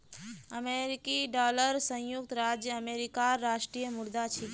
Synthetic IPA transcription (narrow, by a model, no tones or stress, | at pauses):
əmeɾikiɖɔːləɾsə̃juk̚t̪ɾaːd͡ʒjəəmeːɾikaɾːaːʃʈɾijəmʊɽd̪at͡ʃʰi